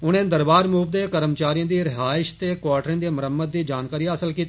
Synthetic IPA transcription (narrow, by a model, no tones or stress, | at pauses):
ʊnẽːd̪əɾbaːɾmuːʋd̪eːkəɾəmt͡ʃaːɾijãːd̪iːɾɪɦaːɪʃt̪eːkwaːʈɾẽːd̪eːməɾəmːət̪̚d̪iːd͡ʒaːnkaːɾiːaəsəlkiːt̪ː